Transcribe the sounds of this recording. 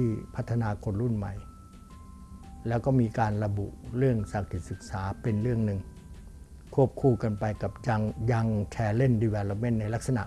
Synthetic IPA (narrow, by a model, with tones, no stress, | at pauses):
t̪ʰiː˥˩pʰa˦˥t̪ʰːa˧naː˧kʰo˧nɾu˥˩˨nma˧˩j | lɛː˦˥wkɔː˥˩miː˧kaː˧nɾa˧bṵ˨˩ʔɾɯ˥˩əŋsa˨˦˩k̚t̪ʰi˨˩sɯ˨˩k̚saː˩˦pe˧nɾɯ˥˩əŋnɯ˨˧ŋ | kʰu˥˩əp̚kʰuː˧˩ka˧npa˧jka˨˩p̚ja˧ŋja˧ŋt̪ʰɛː˧le˥˩˨ndiː˧wɛː˧lo˧p̚me˥˨nːa˧jla˦˥k̚sa˧na̰˨˩ʔ